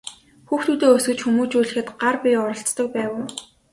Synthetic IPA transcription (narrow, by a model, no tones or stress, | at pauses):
xuːxt̪uːt̪eːɵsɡɘ̆t͡ɕxumuːt͡ɕuːɮɘ̆xɘ̆t̪ɢarpʲiɔɾɞ̆ɬt͡st̪ɞ̆k̚pæːwɘ̆